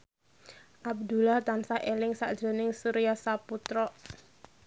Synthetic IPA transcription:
ʔab̚d̪ulaht̪ansaʔelɪŋsa̰ʔd̥ʒ̥ə̤nɪŋsuɾijasaput̪ɾɔʔ

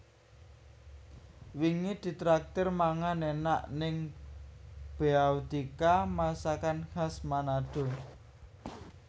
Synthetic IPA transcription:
wiŋid̪̥i̤t̪ɾak̚t̪ɪrmaŋanena̰ʔnɪŋ | b̥eawd̪ikamasakanhasmanaɖ̪̥o̤

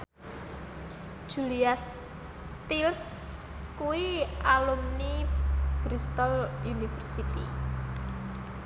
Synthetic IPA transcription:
ʒ̥ulias | t̪ils | kuwialumnibɾist̪ɔlunifərsit̪i

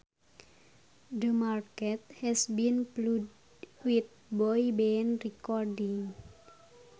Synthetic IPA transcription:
d̪əmarkɛt̪̚hɛsbinplud | wit̪̚bɔjibenrikɔrɖiŋ

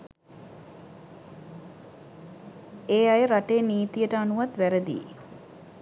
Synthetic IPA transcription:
eːajəɾaʈejːniːt̪ijəʈəanuʋat̪ʋæɾəd̪ḭː

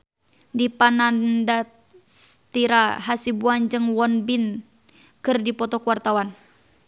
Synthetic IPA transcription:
dipanandat̪̚ | st̪iɾaɦasibuand͡ʒɨŋwɔnbin | kɨrdipɔt̪ɔkuwart̪awan

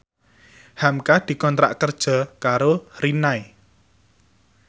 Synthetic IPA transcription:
hamkad̪̥i̤kɔnt̪ɾa̰ʔkərd̥ʒ̥ɔ̤kaɾorinae

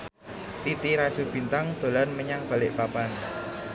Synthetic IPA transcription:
t̪it̪iɾad̥ʒ̥o̤b̥i̤nt̪aŋd̪̥o̤lanməɲaŋb̥a̤lɪʔpapan

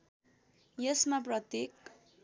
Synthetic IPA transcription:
jʌsmap̬rʌt̪jek

